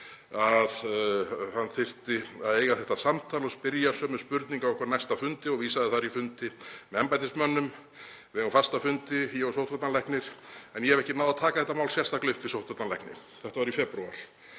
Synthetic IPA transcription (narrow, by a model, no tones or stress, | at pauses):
að | hanːθɪr̥t̪ɪaðeːjɣaθɛht̪asamt̪ʰaːlɔspɪɾjasœːmɛspʏɾt̪niŋkavwɔhkvaɾnajst̪afʏnt̪ɪɔɣviːsaðɪθaɾifʏnt̪ɪmɛɛmpajt̪ɪsmœnːʏm | vɪɣafast̪afʏnt̪ɪjɛvɔsowht̪vat̪nanlɛhknɪɾ̥ɛnjɛhɛvɛhcɪnaːwðat̪ʰaːkaθɛht̪ːamaːwlsjɛst̪aklʏft̪vɪsowht̪vat̪nanlɛ̰hknɪ̰ | θɛht̪avaɾifɛpɾua̰ɾ̥